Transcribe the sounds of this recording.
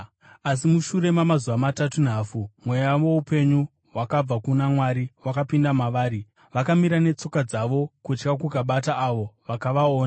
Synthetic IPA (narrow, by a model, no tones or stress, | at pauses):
as̬imuʃuɾe̞mamazuʋamatatun̤aːfumwejaʋoupe̞ɲu | ɦwakab͡vakunamwaɾiwakapindamaʋaːɾi | ʋakamiɾane̞t͡so̞kad͡zaʋo̞kut͡ʃkakukaɓataʔːʋo̞ʋakaʋaoːna